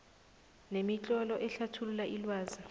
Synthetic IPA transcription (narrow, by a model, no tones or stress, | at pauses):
nemit͡ɬʼɔlɔʔɛɬatʰululaʔilwaːzi